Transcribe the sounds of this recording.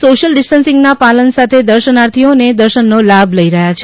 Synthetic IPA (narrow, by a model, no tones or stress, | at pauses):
soʃəlɖɪsʈənsɪ̃ŋɡnapalənsat̪ʰed̪əɾʃənaɾt̪ʰioned̪əɾʃənːolabʱləiɾəɦjat͡ʃʰe